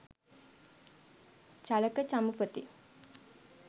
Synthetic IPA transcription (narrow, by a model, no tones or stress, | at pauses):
t͡ʃaləkət͡ʃamupət̪i